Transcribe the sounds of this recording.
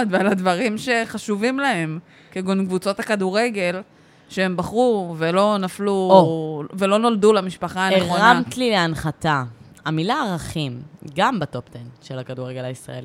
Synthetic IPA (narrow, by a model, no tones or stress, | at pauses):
d̪valadvaʁimʃe̞χaʃuvimlahe̞m | keɡonɡvut͡so̞takaduʁe̞ɡe̞l | ʃee̞mbaχʁuvelo̞nafluovelo̞no̞ldulamiʃpaχaaneχʁonaamtlileanχata | amilaːʁaχimɡambatopt̪enʃelhakaduʁeɡe̞laisʁa̰eli